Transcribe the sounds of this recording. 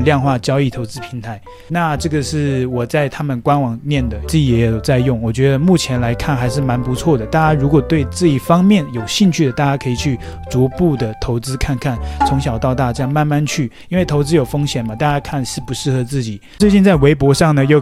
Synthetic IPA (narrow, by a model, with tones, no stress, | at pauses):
ljɑ˥˧ŋxwa˥˩t͡ɕjɑ˥ʊi˥˩t̪ʰo˧˥ʊt͡sɹ̩˥pʰi˧˥ŋt̪ʰa˧˥˦ɪ | na˥˧ʈ͡ʂɤ˥˩ɡə˩ʂɻ̩˥˩wɔ˨˩t͡sa˥˩ɪt̪ʰa˥mə˨nkwa˥nwɑ˨˩ŋnjɛ˥˩nd̪ə˩t͡s̩˥˩t͡ɕi˨˩jɛ˧˥jo˨˩ʊt͡sa˥˧ɪjʊ˥˩ŋwɔ˨˩t͡ɕɥɛ˧˥d̪ə˧mu˥˩t͡ɕʰjɛ˧˥nla˧˥ɪkʰa˥˩nxa˧˥ɪʂ̬ɻ̩˥˩ma˧˥npu˧˥t͡sʰwɔ˥˩d̪ə˩t̪a˥˩t͡ɕja˥ɻu˧˥kwɔ˨˩t̪we˥˧ɪʈ͡ʂɤ˥˧i˥˩fɑ˥ŋmjɛ˥˩njo˨˩ʊɕi˥˧nt͡ɕʰy˥˩d̪ə˩t̪a˥˧˩t͡ɕja˥kʰɤ˧˥i˨˩t͡ɕʰy˥˩t͡su˧˥pu˥˩d̪ə˩t̪ʰo˧˥ʊt͡sɹ̩˥kʰa˥˧nkʰa˥˩nt͡sʰʊ˧˥ŋɕ̬jɑ˨˩ʊt̪ɑ˥˧ʊt̪a˥˩t͡ɕja˥ma˥˧nma˥˧nt͡ɕʰy˥˩ | i˥nwe˥˩ɪt̪ʰo˧˥ʊt͡sɹ̩˥jo˨˩ʊfɤ˥ŋɕjɛ˨˩nmɐ˦t̪a˥˧˩t͡ɕja˥kʰa˥˩nʂɻ̩˥˩pu˧˥ʂɻ̩˥˩xɤ˧˦t͡sɹ̩˥˩t͡ɕi˨˩˦t͡swe˥˧ɪt͡ɕi˥˧nt͡sa˥˩ɪwe˧˥ɪpwɔ˧˥ʂɑ˥˩ŋnə˩jo˥˧ʊ